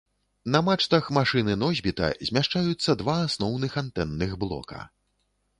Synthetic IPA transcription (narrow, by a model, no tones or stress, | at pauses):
nɐmat͡ʂt̪ɐxmaʂɨnɨnɔzʲbʲit̪ɐ̰zʲmʲaʂt͡ʂajut̪sːɐd̪vaːsnɔwnɨxant̪ɛnːɨɣblˠɔ̰kɐ̰